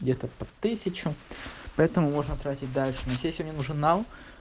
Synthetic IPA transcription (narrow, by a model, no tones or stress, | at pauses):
ɡdʲet̪əpɐt̪ɨsʲɪt͡ɕʊpɐɛt̪əmʊmo̞ʐnət̪ɾatʲɪtʲd̪alʲʂɨnosʲesʲomnʲenuʐɨnːal